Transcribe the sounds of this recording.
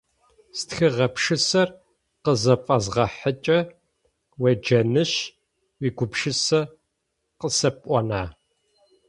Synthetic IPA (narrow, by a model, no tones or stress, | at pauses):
stxɨʁɐpʂɨsɐr | qəzɐfʼɐzʁɐħət͡ʃʼɐ | wɐd͡ʒɐnɨɕ | wiːɡʷʊpʂɨsɐ | qəsɐpʼʷɔnaː